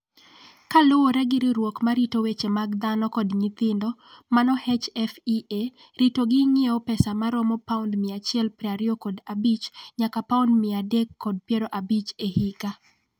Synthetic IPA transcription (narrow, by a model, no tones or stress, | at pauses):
kalowoɾɛɡɪɾiɾwokmaɾitowet͡ʃemaɡd̪anɔkɔdɲit̪ɪndɔmanɔhet͡ʃɛfie | ɾitoɡɪŋeopɛsamaɾɔmɔpaundmɪat͡ʃɪɛlpɾɛaɾɪokɔdabit͡ʃɲakapaundmɪadɛkːɔd̚pjeɾoʔabit͡ʃehika